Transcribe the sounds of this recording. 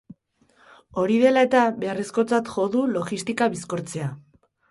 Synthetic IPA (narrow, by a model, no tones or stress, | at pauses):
o̞ɾiðe̞lae̞t̪aβe̞are̞sko̞t͡sat̪xo̞ðulo̞ɣist̪ikaβisko̞ɾt͡se̞a